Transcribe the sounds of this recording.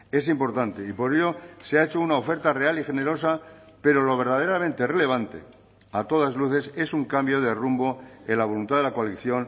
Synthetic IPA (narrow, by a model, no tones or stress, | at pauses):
e̞s̬impo̞ɾt̪ant̪e̞ipo̞ɾe̞ʎo̞seaet͡ʃounaofe̞ɾt̪are̞alixe̞ne̞ɾo̞sa | pe̞ɾo̞lo̞β̞e̞ɾð̞að̞e̞ɾamẽnt̪e̞re̞le̞β̞ant̪e̞̰ | at̪o̞ð̞azluθe̞se̞suŋkambjo̞ð̞e̞rumbo̞elaβ̞o̞lunt̪aðe̞lakoaliθjo̞n